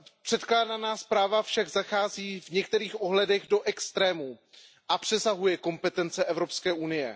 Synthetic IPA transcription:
pr̥ɛt̪klaːdanaːspɾaːvafʃaɡzaxaːziːvɲɛk̚t̪ɛɾiːxʔoɦlɛdɛɣdo̞ʔɛkst̪ɾɛːmu | ʔapr̝̥ɛsaɦujɛko̞mpɛt̪ɛnt͡sɛʔɛvɾo̞pskɛːʔunɪjɛ̰

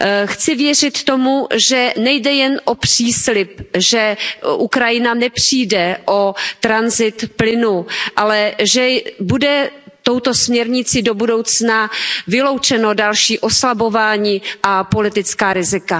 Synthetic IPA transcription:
xt͡sɪvjɛr̝ɪt̪ːo̞muʒɛnɛjdɛjɛnʔo̞pr̝̥iːslɪpʒɛʔukɾajɪnanɛpr̥iːdɛʔo̞t̪ɾanzɪt̪plɪnuʔalɛʒɛbudɛt̪o̞wt̪o̞smɲɛɾɲɪt͡sɪdo̞budo̞wt͡snavɪlo̞wt͡ʃɛno̞dalʃiːʔo̞slabo̞vaːɲiːʔapo̞lɪt̪ɪt͡skaːɾɪzɪka

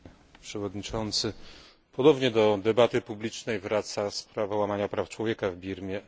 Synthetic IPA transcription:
pʂɛvɔd̪ɲit͡ʂɔnt̪sɘ | pʰɔd̪ɔbɲɛd̪ɔd̪ɛbat̪ɘpublʲit͡ʂnɛjvɾat̪saspɾavawamaɲapɾaft͡ʂwɔvʲjɛkavbʲiɾmʲjɛ

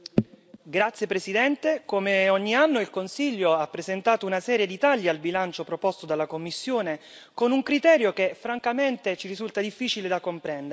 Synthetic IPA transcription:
ɡɾat̪sjepɾesid̪ɛnt̪ekomeɔɲːianːoilkonsiʎːoapːɾezent̪aːt̪ounasɛːɾjed̪it̪aʎːialbilant͡ʃopɾopɔst̪od̪alːakomːisːjoːne | konuŋkɾit̪ɛːɾjok̟efːɾaŋkament̪et͡ʃirizult̪ad̪ifːiːt͡ʃiled̪akompɾɛnd̪e

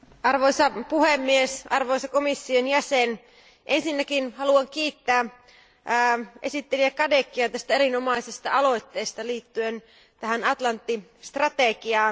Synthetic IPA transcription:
ɑrʋojsɑpuhemːiesɑrʋo̞jsɑkomisːionjæsen | ʔensinːækinhɑluɑŋk̟iːt̪ːæː | ʔe̞sit̪ːeliækɑdekːiɑt̪æst̪æeɾinomɑisest̪ɑɑlo̞jt̪ːeːst̪ɑliːt̪ːyen | t̪æhænɑt̪lɑnt̪ːist̪rɑt̪eɡiɑː

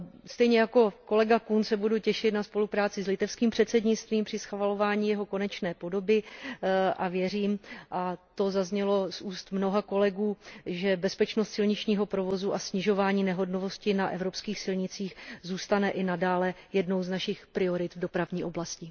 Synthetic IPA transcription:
st̪ɛjɲɛjako̞ko̞lɛɡakunsɛbuducɛʃɪt̪naspo̞lupɾaːt͡sɪzlɪt̪ɛfskiːmpr̥ɛt̪sɛdɲɪt͡st̪viːmpr̥ɪsxvalo̞vaːɲiːjɛɦo̞ko̞nɛt͡ʃnɛːpo̞do̞bɪ | ʔavjɛriːmʔat̪o̞zazɲɛlo̞sʔuːst̪mno̞ɦako̞lɛɡuːʒɛbɛspɛt͡ʃnost̪sɪlɲɪt͡ʃɲiːɦo̞pɾo̞vo̞zuʔasɲɪʒo̞vaːɲiːnɛɦo̞dnovo̞scɪnaʔɛ̰vɾo̞pskiːxsɪlɲɪt͡siːxzuːst̪anɛʔɪnadaːlɛjɛdno̞wznaʃɪxpɾɪo̞ɾɪt̪vdo̞pɾavɲiːʔo̞blascɪ

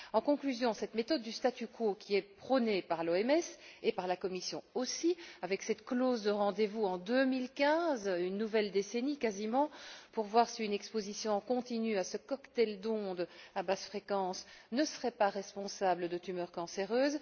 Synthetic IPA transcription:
ɑ̃kɔ̃klyzjɔ̃sɛt̪met̪ɔd̪ːyst̪at̪ykʰokʲiɛpχɔnepaʁloɛmɛsepaʁlakɔmisjɔ̃osiavɛksɛt̪kloːzd̪əʁɑ̃d̪evuɑ̃d̪ømilkʲɛ̃zynːuvɛld̪esenikazimɑ̃puʁvwaʁsiynɛkspozisjɔ̃kɔ̃t̪inyasəkɔkt̪ɛld̪ɔ̃d̪abasfχekɑ̃snəsəʁɛpaʁɛspɔ̃sabləd̪ət̪ymœːʁkɑ̃seʁøːz

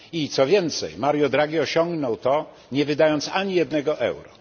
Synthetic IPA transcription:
it̪sɔvʲjɛnt̪sɛjmaɾjɔd̪ɾaɡʲiɔɕɔŋɡnɔwt̪ɔ | ɲɛvɘd̪ajɔnt̪saɲijɛd̪nɛɡɔʔɛ̰wɾɔ

